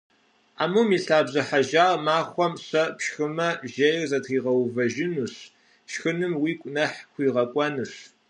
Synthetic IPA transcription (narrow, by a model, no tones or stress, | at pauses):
a̰ːmumiːɬaːbzɐħaʒaːrmaːχʷɔmɕɐpɕxɨmɐʒɐjrzɐtʰχiːʁɐwvɐʒɪnuɕ | ʃxɨnɨmwiːkʷʼʊnɐħxʷiːʁɐkʷʼɔnɨɕ